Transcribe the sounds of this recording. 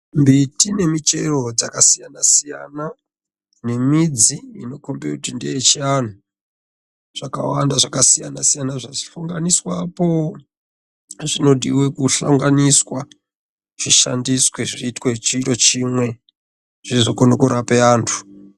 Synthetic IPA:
mbitine̞mite̞ro̞d͡zakasijanasija̰na | ne̞mid͡ziino̞kombutindejet͡ʃian̤u | ʐ̥aka̰wandaʐakasijanasijanaʐai̥ɬuŋɡaniswapo | ʐino̞diwekuɬaŋɡaniswa | ʐ̥iʃa̰ndisweʐiːtwet͡ʃiro̞t͡ʃimwe̞ | ʐ̥izokonokuɾapeaːntʰu̥

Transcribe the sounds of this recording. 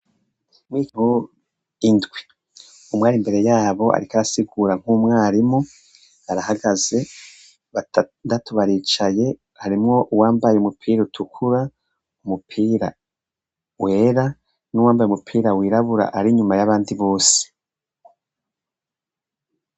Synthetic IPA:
mwiŋ̥u | indɡwi̥ | umŋaːɾimbe̞ɾe̞jaːβo̞a̰ɾikaɾasiɡuːɾaŋ̥umŋaːɾimu | aɾahaɡaze̞ | βandatuβaɾiːt͡ʃaje̞ | haɾimŋo̞ʔuwaːmbajeumupʰiːɾutʰukʰuɾa | umupʰiːɾa̰ | we̞ːɾa | nuwaːmbajumupʰiːɾawiːɾaβuɾa̰ʔaɾiɲumajaβaːndiβo̞ːse̥

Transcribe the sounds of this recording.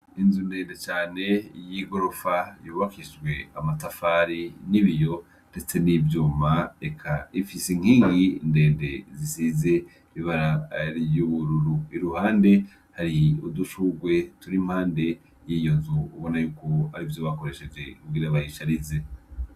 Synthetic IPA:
inzunde̞ːnde̞t͡ʃaːne̞jiɡo̞ɾo̞fajuːβakiʃɡwe̞amatafaːɾiniβijo̞ | nde̞t͡se̞nivjuːmaekʰaifisiŋ̥hiːŋɡinde̞ːnde̞zisize̞ | iβiβaɾaijuβuɾuɾuiɾuhaːnde̞ | haɾiuduʃuɡwe̞tuɾim̥haːnde̞ | jijo̞nzuːβo̞najuːko̞haɾivjo̞βako̞ɾe̞ʃe̞d͡ʒe̞kuɡiɾaβajiʃaɾize̞

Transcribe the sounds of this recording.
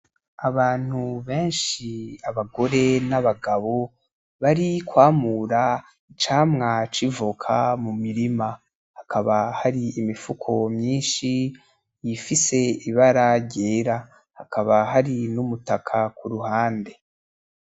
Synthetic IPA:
aβaːn̥huβeːnʃiaβaɡo̞ɾe̞naβaɡaβo̞ | βaɾikwaːmuɾa | it͡ʃaːmŋat͡ʃivukʰa̰mumiɾima | hakaβahaɾiːmifukʰo̞mɲiːnʃi | jifise̞iβaɾaɾɟeːɾa | hakaβaɦaɾinumutakʰakuɾuɦaːnde̞

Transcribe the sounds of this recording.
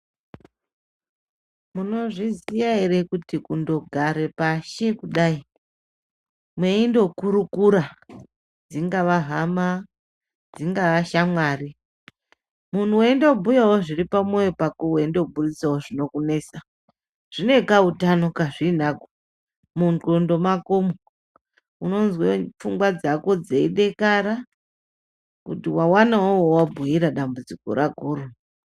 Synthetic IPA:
muno̞ʐizijaeɾekutikundo̞ɡʱaɾe̞paʃe̞kuɗai | mweindo̞kuɾukuɾa | d͡ziŋɡaʋaɦama | d͡ziŋɡaʋaʃamwaːri | mun̤uwendebʱujawoʐiripamo̞jopako̞wendoubʱurisawoʐino̞kune̞ːsa | ʐ̥ine̞kautano̞kaʐinako̥ | munɡondo̞makomo | uno̞nzwefuŋɡwad͡zako̞d͡zeiɗe̞kaɾa | kṵtiwawanawowowabʱujiɾaɗambud͡ziko̰ɾaɡʱoːɾo

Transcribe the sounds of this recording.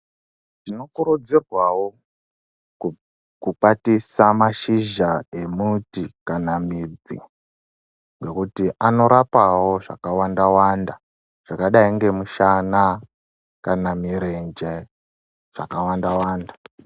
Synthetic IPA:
ʐino̞kuɾud͡zirwawo̞ | kuk͡patisamaʃiʒaemutikanamid͡zḭ | ŋɡe̞kutiʔano̞ɾapawo̞ʐa̰kawandawanda | ʐ̥akaɗaiŋɡe̞muʃana | kanamiɾend͡ʒe | ʐ̥a̰kawandawaːnda

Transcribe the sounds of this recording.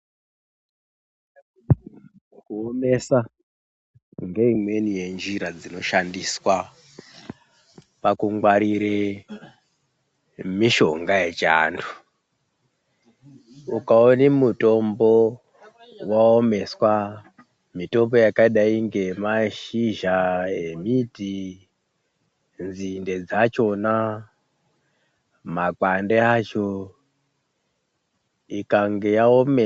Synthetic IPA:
kuome̞sa | ŋɡe̞imwe̞nije̞nd͡ʒiɾad͡zino̞ʃandiswa | pakuŋɡwaɾiɾe | miʃo̞ŋɡaje̞t͡ʃa̰ːndʰu̥ | ukaonimuto̞mbo | waome̞swa | mito̞mbo̞jakaɗaiŋɡe̞maʃiʒaemiti | nzinde̞d͡zat͡ʃo̞na | makandeat͡ʃo | ikaŋɡejaome

